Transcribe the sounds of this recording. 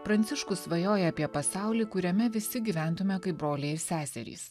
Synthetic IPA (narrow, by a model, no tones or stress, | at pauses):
pɾɐnʲt̪ʲɪʃkʊsʋɐjoːjɛɐpʲiɛpɐsɑˑʊlʲiːkʊɾʲɛmʲɛʋʲɪsʲɪɡʲiːʋʲæˑnt̪ʊmʲɛkɐɪp̚bɾoːlʲeːɪɾsʲæːsʲɛ̰ɾʲḭːs